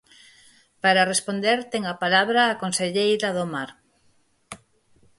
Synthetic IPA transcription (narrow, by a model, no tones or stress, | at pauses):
paɾarespond̪eɾt̪eŋapalaβɾaːkonseʎejɾɐðomaɾ